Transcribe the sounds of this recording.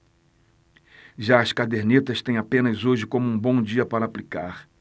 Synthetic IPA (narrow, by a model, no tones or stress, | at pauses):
ʒaɐskad̪eɾnit̪ɐst̪ẽj̃apẽnɐzoʒɪkõmʊũbõd͡ʒiɐpaɾɐːplikaɾ